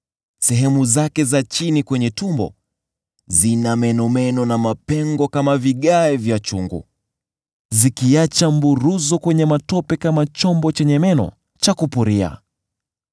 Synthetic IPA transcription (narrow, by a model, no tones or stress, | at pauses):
sɛɦɛmuzakɛzat͡ʃinikwɛɲɛtumbɔ̰ | zinamɛnɔmɛnɔnamapɛŋɡɔkamaviɠaɛvjat͡ʃṵŋɡṵ | zikiat͡ʃambuɾuzɔkwɛɲɛmatɔpɛkamat͡ʃɔmbɔt͡ʃɛɲɛmɛnɔ̰ | t͡ʃakupuɾia̰